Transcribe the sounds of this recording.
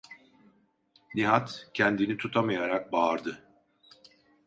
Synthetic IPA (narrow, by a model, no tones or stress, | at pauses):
niɦat̪cʰɛnd̪init̪ʰut̪ʰamajaɾak̚baːɾd̪ɯ